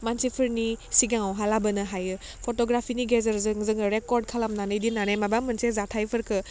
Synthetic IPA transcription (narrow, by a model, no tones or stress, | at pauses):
mansipʰɯɾnisiɡaŋawɦalabɯnɯɦajɯ | pʰɔtɔɡɾapʰiniɡezəɾzɯŋzɯŋɯɾekɔɾd̚kʰalamnanɯjdinanajmabamɯnsezatʰajpʰɯɾkʰɯ